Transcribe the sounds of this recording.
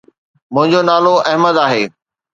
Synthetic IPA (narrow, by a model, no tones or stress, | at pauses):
mʊ̃ɦɪ̃ɲd͡ʑonaːloɐɦməd̪aːɦeː